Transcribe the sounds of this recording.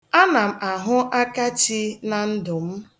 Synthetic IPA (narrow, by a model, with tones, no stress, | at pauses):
a˦na˨m̩˨a˨ɦʊ˦ʔa˦ka˦t͡ʃi˦na˨n̩˦dʊ˨m̩˦